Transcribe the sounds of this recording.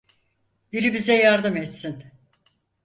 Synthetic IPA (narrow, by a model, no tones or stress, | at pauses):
biɾibizɛjaɾd̪ɯmɛt̪sin